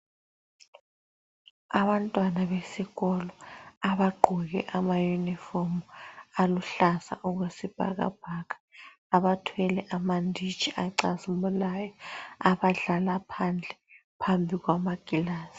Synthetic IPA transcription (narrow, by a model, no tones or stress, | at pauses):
aβantʼwanaβesiɣɔlɔaβaɡ͡ǃʱuɣɛʔamajunifɔmualuɬasa̰ʔuɣwesib̥ʱa̰ɣa̰b̥ʱakḁ | aβatʰwɛlɛʔamandʱi̥t͡ʃʰʼiaǀasumulaːjɔaβaɮalapʰand͡ɮʱɛ | pʰambʱiɣwamaɡ̥ʱilaːsi̥